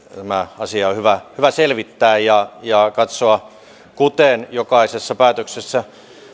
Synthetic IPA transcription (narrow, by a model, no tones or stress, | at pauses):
t̪æmæɑsiɑohyʋæhyʋæselʋit̪ːæːjjɑjɑkɑt̪soɑ | kut̪enjokɑisesːɑpæːt̪øksesːæ